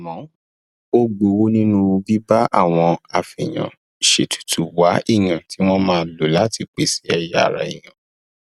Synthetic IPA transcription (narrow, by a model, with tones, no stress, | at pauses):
a˨mɔ̃˨˦ | o˦ɡ͡bo˧wo˦nĩ˦nũ˦o˧bi˦ba˦ʔa̰˦˨w̃ɔ̃˧a˨fi˨j̃ã̰˨ | ʃe˨tʰu̥˨tu˨wa˨˦i˦˨j̃ã˨tʰi˨˦w̃ɔ̃˦mãː˦˧˦lo˨˦la˦tʰi˧˨k͡pe˨si̥˨˦ɛ˧ja˦a̰˨ɾa̰˨ḭ˨j̃ã˨